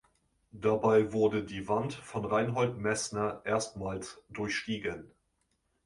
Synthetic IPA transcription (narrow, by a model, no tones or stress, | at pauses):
d̥abaɪvʊɐdədiːvantfɔnʁaɪnɦɔltmɛsnɐʔeːɐstmaːlsd̥ʊɐçʃtiːɡən